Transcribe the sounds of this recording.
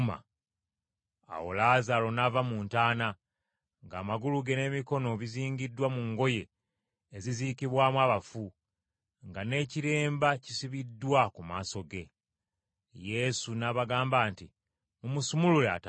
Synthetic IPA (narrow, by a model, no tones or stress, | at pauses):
ma̰ | a̰wo̞̰laːzaɾo̞navamuːntaːna | ŋɡa̰ːmaɡuluɡe̞ne̞ːmiko̞no̞βiziːɲɟidwamuŋɡo̞je̞ː | ziziːkiβwaːmwaːβafu | ŋɡane̞ciɾe̞ːmbacisiβidːwakumaːso̞ɡe̞ | je̞sunaβaɡaːmbaːntḭ | mumusumululea̰ta